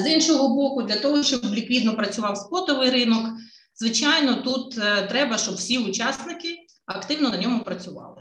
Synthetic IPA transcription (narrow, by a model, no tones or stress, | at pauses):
zinʃɔɦɔbɔkʊd̪lʲɐt̪ɔɦɔʃt͡ʃɔblʲikʋʲid̪nɔpɾɐt͡sʲʊʋɑwspɔt̪ɔʋɪjɾɪnɔk | zʋɪt͡ʃajnɔt̪ut̪t̪ɾɛbɐʃt͡ʃɔbwsʲiʊt͡ʃɑsnɪkɪ | ɐkt̪ɪwnɔnɐnʲɔmʊpɾɐt͡sʲʊʋɑ̰lˠɪ